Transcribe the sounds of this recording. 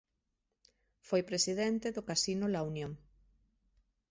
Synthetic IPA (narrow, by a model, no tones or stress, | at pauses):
fojpɾesiðɛnt̪eðʊkasinʊlaunjõŋ